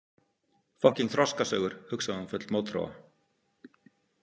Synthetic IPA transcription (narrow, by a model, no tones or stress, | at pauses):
fɔhciŋkθɾɔskasœːɣʏɾ̥hʏksaðanfœt̪lmoːwt̪ʰɾa̰ːwa̰